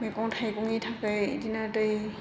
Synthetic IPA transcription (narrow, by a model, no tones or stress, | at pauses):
mekɔŋtʰajkɔŋitʰakɯjḭdinadɯj